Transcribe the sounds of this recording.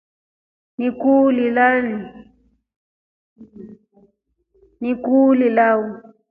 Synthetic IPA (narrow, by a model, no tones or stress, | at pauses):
nikulilani | nikulilawu